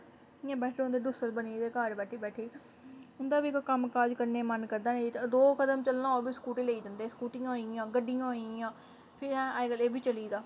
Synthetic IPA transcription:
ɪãːbɛːʈʰlːõnd̪eːɖʊsət̪bəniːd̪eːkaːɾbɛːʈʰeːbɛːʈʰeː | ʊnd̪aːbiːkːkəmkaːd͡ʒkəɾneːmənkəɾd̪aːneːd͡ʒit̪ːd̪oːkəd̪əmt͡ʃəlnãːoːbiːskuːʈẽːleːiːd͡ʒãːnd̪eːskuːʈĩãːoiãːɡəɖijãːoiãː | pʰɪɾɦɛ̃ːʔaːeɡəleːbʱiːt͡ʃəliːd̪aː

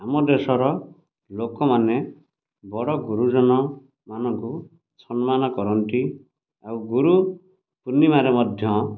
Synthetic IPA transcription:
amɔd̪esɔɾɔ | lokɔmane | bɔɽɔɡuɾud͡ʒɔnɔ | manɔŋku | t͡ʃʰɔnmanɔkɔɾɔɳʈi | awɡuɾu | punːimaɾemɔd̪ʱjɔ

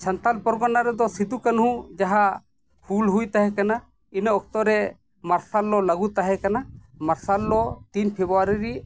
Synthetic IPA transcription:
t͡ʃant̪alpɔɾɡɔnaɾɛd̪ɔsid̪ukanɦũd͡ʒaɦa | hulɦujt̪aɦɛkana | inaɔk̚t̪ɔɾɛ | maɾsalːɔlaɡut̪aɦɛkanamaɾsalːɔt̪inpʰebuwaɾiɾi

